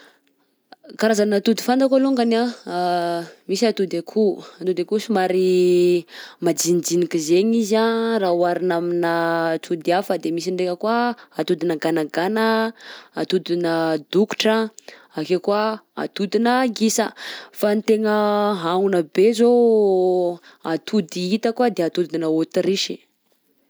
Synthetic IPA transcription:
kaɾazanat̪ud̪i̥fand̪akaluŋɡana | misiat̪ud̪akʰuat̪ud̪eakusimaɾi | mad͡ʒind͡zinikizeɲizaraɦwaɾinaminət̪ʰud̪iafəd̪emisiɳɖ͡ʐekəkwaat̪ud̪inəɡanaɡanəat̪ud̪inəd̪uku̥ʈ͡ʂə | akekwaa̰t̪ud̪inəɡisəfant̪eŋəɦaunəbezo | at̪ʰud̪iit̪əkwad̪eat̪ud̪inəot̪iɾiʃi̥

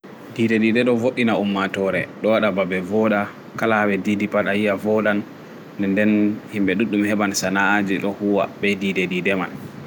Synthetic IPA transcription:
didedidɛɗɔvoɗinaumːatɔɾɛ̰ɗɔwaɗababɛvɔɗa | kalaɓɛdidipaɗajijavɔɗan | dɛndɛnhimɓɛɗuɗːumhɛbansanaːd͡ʒiɗɔhuwa̰bɛdidedidɛman

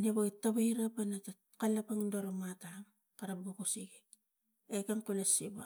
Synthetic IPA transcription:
neβaitːaβaiɾapanata | kalapaŋdoɾomataŋ | kaɾap̚ɡukusiɡek | ekaŋkolesiba

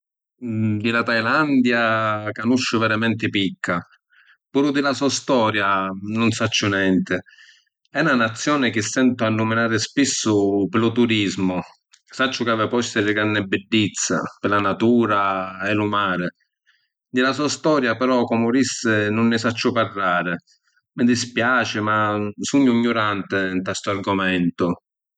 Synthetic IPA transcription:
d̪ɪlat̪ajland̪jakanuʃːʊvɛɾamɛnt̪ɪpikʰːa | puːɾʊd̪ɪlasuast̪ɔːɾjanʊnsat͡ʃːʊnɛnt̪ɪ | ɛnanat̪sːjɔːnɪk̟ɪsːɛnt̪ʊanːʊmɪnaːɾɪspisːʊpɪlʊt̪uɾizmʊ | sat͡ʃːʊkavapɔst̪ɪlɪɡɾanːɪbːɪdːit̪sːa̰pɪlanat̪uːɾaɛlʊmaːɾɪ | d̪ɪlasuast̪ɔːɾjapɛɾɔkɔmʊɾisːɪnʊnːɪsat͡ʃːʊparːaːɾɪ | mɪd̪ispjaːt͡ʃɪmasuɲːʊiɲːʊɾant̪ɪnt̪ast̪ʊarɡʊmɛnt̪ʊ

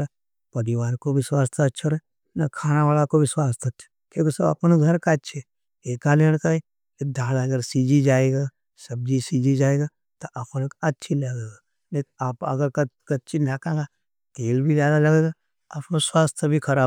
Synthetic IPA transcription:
ɾa | pɐɾɪwaːɾkoʋɪswaːst̪ʰaɐtːʃʰaɾ | nɐkʰaːnaʋaːlakoʋɪswaːst̪ʰɐtːʃʰḁ | kõːkesɐbɐ̰pnoɡʱɐɾkatːʃʰe | eːkaleɽ̃kai | d̪ʱaːlɐɡəɾsiːd͡ʒid͡ʒaːeɡa | sɐb̚d͡ʒisiːd͡ʒid͡ʒaːeːɡa | t̪oʔaponekɐtːʃʰilɐɡeːɡa | nɐtapɐ̰ɡəɾkɐtːt͡ʃʰinakãɡa | t̪eːlbʱizjaːd̪alɐɡeːɡa | a̰pnoswaːst̪ʰəbʱikʰɐɾaː

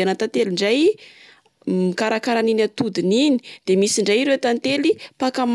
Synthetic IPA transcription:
anat̪at̪eliɳɖ͡ʐaj | mikaɾakaɾaninat̪ud̪inini̥d̪̥emisiɳɖ͡ʐajiɾewat̪ant̪elipakam

